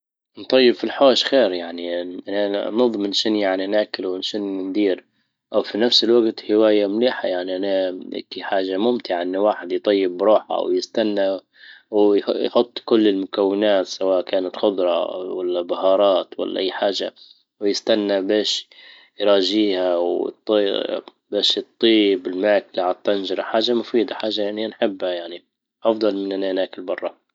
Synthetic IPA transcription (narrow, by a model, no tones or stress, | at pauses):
nt̪ˤɑjːɪbfilħoːʃxeːɾjaʕniʔananɨðˤmɪnʃɪnjaʕninaːkɪlwɪnʃɪnnd̪iːɾ | ʔawfinafsɪlwaɡt̪hɪwaːjamliːħajaʕniʔanaa̰kiħaːʒamʊmt̪ɪʕaʔɪnːawaːħɪd̪jt̪ˤɑjːɪbːɾˤuːħa̰wjɪst̪anːa | wjħʊt̪ˤːkʊlːɪlmʊkawːɪnaːt̪sawaːʔkaːnat̪xʊd̪ˤɾˤɑ̰walːabahɑːɾˤɑːt̪wa̰lːa̰ʔajːħaːʒa̰ | wjɪst̪anːabeːʃ | jɾˤɑːʒiːhaw̰t̪ˤː | beːʃɨt̪ˤːiːbɪlmaːklaʕat̪ˤːanʒɑɾˤɑħaːʒamʊfiːd̪aħaːʒːajaʕnianħɪbːhajaʕni | ʔɑfd̪ˤɑlmɪnːʔananaːkɪlbɑrˤːɑ